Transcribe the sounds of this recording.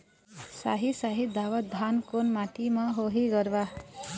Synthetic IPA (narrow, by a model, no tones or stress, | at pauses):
sa̰ɦisaɦid̪ʱawʌd̪ʱankonmat̪imaɦoɦiɡʌɾba